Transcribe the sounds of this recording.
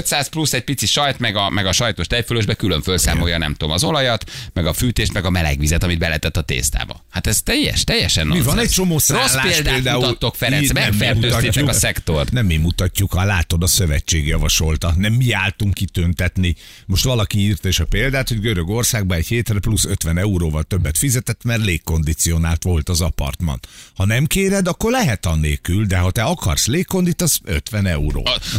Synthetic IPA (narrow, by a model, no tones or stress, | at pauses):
øt̪saːsplusɛɟ̚pit̪siʃɒjt̪mɛɡɒmɛɡɒʃɒjt̪oʃt̪ɛjføløːʒbɛkyløɱfølsa̰ːmo̞jɒnɛ̰mt̪oːmɒzo̞lɒjɒt̪mɛɡɒfyːt̪eːʃt̪mɛɡɒmɛlɛ̰ɡʋizɛt̪ɒmid̪bɛlɛt̪ɛt̪ːɒt̪ḛːst̪a̰ːbɒ̰hat̪ɛzt̪ɛjːɛ̰ʃt̪ɛjːɛ̰ʃɛ̰nːmivɒnɛc̚t͡ʃo̞moːsaoslːaːpeːld̪aeːld̪aːuɒt̪ːokfɛɾɛsmɛɛlmuøːɒiːɛuɒsɛkt̪o̞rt̪nɛmːimːut̪ɒcːukɒlaːt̪o̞d̪ɒsøvɛt͡ʃːeːɡjɒvɒʃo̞lt̪ɒnɛmːiaːlt̪uŋkːit̪ønt̪ɛt̪ni | mo̞ʃt̪ʋɒlɒkiiːrt̪ɒeʃɒpeːld̪aːt̪ho̞ɟɡøɾø̞ɡo̞rsaːɡ̚bɒnɛcheːt̪rɛplusøt̪ʋɛnɛuɾoːvɒlt̪ø̞bːɛt̪fizɛt̪ɛt̪ːmɛrleːkːo̞nd̪it̪sijo̞naːlt̪ʋo̞lt̪ɒzɒpɒ̰rt̪mɒ̰nhɒnɛmkeːɾɛd̪ɒkːo̞rlɛɦɛt̪ɒneːkyld̪ɛɦɒt̪ɛɒkɒ̰rsleːkkːo̞nd̪it̪ɒsø̰t̪ʋɛnɛuɾo̰ː